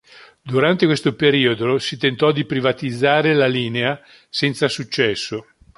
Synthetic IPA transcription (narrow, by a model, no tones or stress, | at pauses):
d̪uɾant̪ekwest̪opeɾiːod̪osit̪ent̪ɔd̪ipɾivat̪id̪zːaːɾelaliːnea | sɛnt̪sasut͡ʃːɛsːo